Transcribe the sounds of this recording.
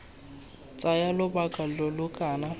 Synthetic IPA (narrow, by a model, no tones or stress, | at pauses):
t͡sʼajalʊbakʼalɔlʊkʼaːna